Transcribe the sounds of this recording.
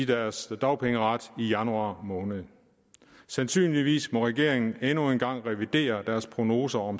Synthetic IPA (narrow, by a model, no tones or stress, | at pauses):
d̥æɐsd̥ɑ̈ʊpʰeŋəʁɑd̥ijænuɑ̰̈ːmɔ̽ːnəð̞̩ˠ | sænsy̰ːnliʋḭːsmɒ̽ʁɛɡ̥e̝ɐ̰eŋn̩enue̝nɡ̥ɑ̈ŋ̰ʁɛʋid̥e̝̰ːɐd̥æɐspʰʁo̝no̝ːsɐɒ̽m